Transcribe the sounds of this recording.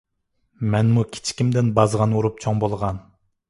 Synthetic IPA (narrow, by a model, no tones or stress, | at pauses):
mɛnmukʲʰi̥t͡ʃʰi̥kʲimd̪ɪnbɑzʁɑnoɾup̚t͡ʃʰoŋbolˠʁɑn